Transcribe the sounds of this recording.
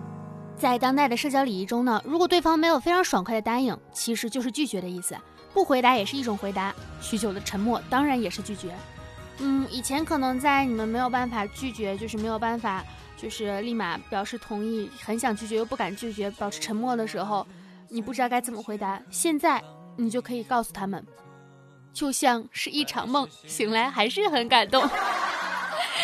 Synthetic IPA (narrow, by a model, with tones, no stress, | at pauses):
t͡sa˥˩ɪt̪ɑ˥ŋt̪a˥˩ɪd̪ə˩ʂɤ˥˩t͡ɕjɑ˥ʊli˨˩i˧˥˩ʈ͡ʂʊ˥ŋnə˨ɻu˧˥kwɔ˨˩t̪we˥˩ɑ˥ŋme˧˥ɪjo˨˩fɪʈ͡ʂʰɑ˧˥ŋʂwa˨˩ŋkʰwe˥˩ɪd̪ə˩t̪a˥ni˨˩˦ŋt͡ɕʰi˧˥ʂɻ̩˧˥t͡ɕjo˥˧ʊʂɻ̩˥˧t͡ɕy˥˩t͡ɕɥɛ˧˥ɾə˧i˥˩sɹ̩˩ | pu˥˩xwe˧˥ɪt̪a˧˥jɛ˨˩ʂɻ̩˥˧i˥˩ʈ͡ʂʊ˨˩ŋxwe˧˥ɪt̪a˧˥ɕy˧˥t͡ɕjo˨˩ʊd̪ə˦ʈ͡ʂʰə˧˥ŋmwɔ˥˩t̪ɑ˥ŋɻa˧˥njɛ˨˩ʂɻ̩˥˧t͡ɕy˥˩t͡ɕɥɛ˧˥n̩˥˩i˨˩t͡ɕʰjɛ˧˥nkʰɤ˨˩nɤ˧˥ŋt͡sa˥˩ɪni˨˩mə˦nme˧˥ɪjo˨˩ʊpa˥˩nfa˨˩t͡ɕy˥˩t͡ɕɥɛ˧˥t͡ɕjo˥˧ʊʂɻ̩˥˩e˧˥ɪo˨˩ʊpa˥˩nfa˨˩ | t͡ɕjo˥˧ʊʂɻ̩˥˧li˥˩ma̰˧˩˦pjɑ˨˩ʊʂɻ̩˥˩t̪ʰʊ˧˥ŋi˥˩xə˧˥nɕjɑ˨˩ŋt͡ɕʰy˥˩t͡ɕɥjo˥˧ʊpu˥˩ka˨˩nt͡ɕy˥˩t͡ɕɥɛ˧˥pjɑ˨˩ʊʂ̩ʰ˥˩ʈ͡ʂʰə˧˥nmwɔ˥˩d̪ə˩ʂɻ̩˧˥xo˧ʊ | ni˨˩p̬u˥˩ʈ͡ʂɻ̩˧˥ɑ˥˧ka˥ɪt͡sə˥˩mə˩xwe˧˥ɪt̪a˧˥ɕjɛ˥˧nt͡sa˥˩ɪni˨˩t͡ɕjo˥˩ʊkʰɤ˧˥i˨˩kɑ˥˩ʊsu˨˩t̪ʰa˥mə̰˨n | t͡ɕjo˥˧ʊɕjɑ˥˧ŋʂɻ̩˥˧i˥˩ʈ͡ʂʰɑ̰˧˥ŋmɤ˥˩ŋ | ɕi˧˥ŋla˧˥ɪxa˧˥ɪʂɻ̩˥˩xə˧˥nka˨˩nt̪ʊ˥˩ŋ